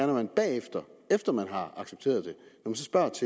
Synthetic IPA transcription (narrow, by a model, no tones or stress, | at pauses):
æɐnɐmænb̥ɛ̰ːefd̥ɐefd̥ɐmænɦɑ̈ɑ̈ɡ̥seb̥̚t͡sʰe̝̰ːɐðˠd̥e̝nɒmæns̬ɒ̽sb̥ɶ̰ɐ̰t͡sʰe